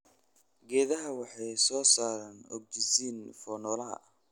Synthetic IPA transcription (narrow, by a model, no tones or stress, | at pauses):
ɡɛːðɐɦɐwɑħɑjsɔːsaːɾɐnɔ̰ɡ̚d͡ʒɪsiːnfɔːnɔːlɐɦɐ̰ʔ